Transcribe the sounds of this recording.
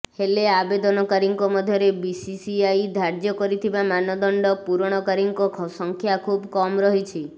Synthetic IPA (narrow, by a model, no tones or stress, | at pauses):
heleabed̪ɔnɔkaɾiŋkɔmɔd̪ʱjɔɾebisisiajd̪ʱaɾd͡ʒjɔkɔɾit̪ʰibamanɔd̪ɔɳɖɔpuɾɽ̃ɔkaɾiŋkɔkʰɔsɔŋkʰjakʰubkɔmɾɔɦit͡ʃʰi